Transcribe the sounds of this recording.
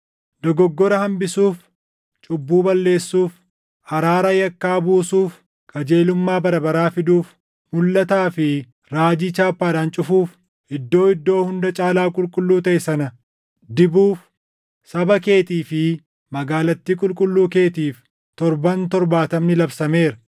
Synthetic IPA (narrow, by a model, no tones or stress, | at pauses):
d̪ɔɡɔɡːɔɾɐhɐmbɪsuːf | t͡ʃʼʊbːuːbɐlːe̞ːsːuːf | ɐɾaːɾɐjɐkːaːbuːsuːf | kʼɐd͡ʒe̞ːlʊmːaːbɐɾɐbɐɾaːfɪd̪uːf | mʊlːɐt̪aːfɪ | ɾaːd͡ʒiːt͡ʃaːpːaːd̪aːnt͡ʃʼʊfuːf | ʔɪd̪ːo̞ːɪd̪ːo̞ːhʊnd̪ɐt͡ʃʼaːlaːkʼʊlkʼʊlːuːt̪ɐʔɪsɐnɐ | d̪ɪbuːf | sɐbɐke̞ːt̪iːfɪ | mɐɡaːlɐt̪ːiːkʼʊlkʼʊlːuːke̞ːt̪iːf | t̪ɔɾbɐnt̪ɔɾbaːt̪ɐmnɪlɐbsɐme̞ːɾɐ